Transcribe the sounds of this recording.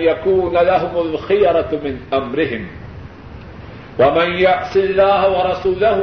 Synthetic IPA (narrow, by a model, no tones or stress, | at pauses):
jakuːnalaɦʊmalxɪjɾˤɑmɪnʔamɾɪɦɪm | wamɪnjaʕsɪlːaːhawɑɾˤɑsuːlah